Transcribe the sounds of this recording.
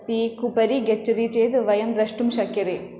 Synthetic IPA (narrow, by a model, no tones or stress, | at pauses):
pikupɐɾiɡet͡ʃːɐd̪it͡ʃeːt̪ɨʋɐjɐmbɾɐʂʈumʃɐkʰjɐɾi